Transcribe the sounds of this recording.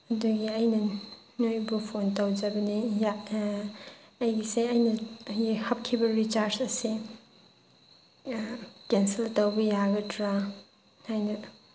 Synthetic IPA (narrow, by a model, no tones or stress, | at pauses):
ɐduɡiɐjnɐ | nojbupʰontɐwd͡ʒɐbɐnija | ɐjɡiseɐjnɐhɐp̚kʰibɐɾit͡ʃaɾsɐsi | kensiltɐwbɐjaɡɐtʰɾa | hajnɐ